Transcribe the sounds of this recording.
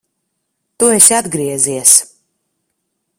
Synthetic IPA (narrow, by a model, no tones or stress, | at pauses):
t̪uesʲad̪ɡɾiɛziɛs